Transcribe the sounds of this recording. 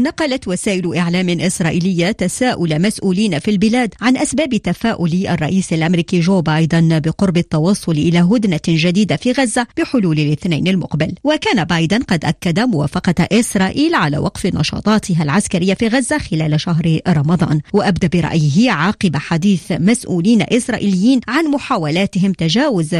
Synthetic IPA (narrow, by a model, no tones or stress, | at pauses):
nɑqɑlat̪wasaːʔɪlʊʔɪʕlaːmɪʔɪsɾˤɑːʔɪlɪjːat̪asaːʔʊlamasʔuːliːnafilbɪlaːd̪ʕanʔasbaːbt̪afaːʔʊlɪʔa̰rˤːɑ̰ʔiːsalʔamɾiːkiʒoːbɑjd̪ɪnbɪqʊɾˤbɪt̪ːɑwɑsˤːʊlʔɪlaːɦʊd̪naʒad̪iːd̪afiːɣazːab̥ɪħʊluːlɪlʔɪθnajnalmʊqbɪlwakaːnabɑːjd̪ɪnqɑd̪ʔakːad̪amʊwa̰ːfɑqɑʔɪsɾˤɑːʔiːlʕala̰ːwʔɑqfnɑ̰ʃɑ̰ːt̪ˤɑːt̪ɪɦalʕaskaɾɪjːafiːɣazːaxɪlaːlʃaɦɾɾˤɑmɑd̪ˤɑ̰ːnwaʔabd̪aʔbɪɾˤɑ̰ʔjɪɦɪʕɑːqɨbaħad̪iːθmasʔṵːliːna̰ʔɪsɾˤɑ̰ːʔilɪjːiːnʕanmʊħaːwalaːt̪ɪɦɪmt̪aʒaːwʊz